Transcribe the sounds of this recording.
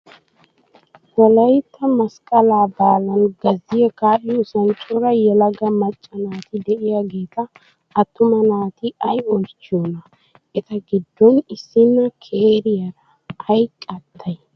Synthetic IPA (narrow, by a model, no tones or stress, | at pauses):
wɔlɐjt̪ʰːɐmɐskʼɐlaːbaːlɐnɡɐzːɪjɛkaːʔɪjɔsɐnt͡ʃʼʊɾɐjɛlɐɡɐmɐt͡ʃʼːɐnaːt̪ɪd̪ɛʔɪjaɡe̞ːt̪ɐː | t̪ːʊmɐnaːt̪ɪʔɐjɔlt͡ʃːɪjɔnɐ | ʔɛt̪ɐɡɪd̪ːɔnɪsːɪnːɐkʰeːɾɪjɐɾɐ | ɐjkʼɐt̪ʰːɐj